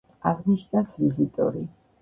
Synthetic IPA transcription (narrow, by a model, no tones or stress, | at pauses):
aʁniʃnasvizit̪ʼɔ̰ɾi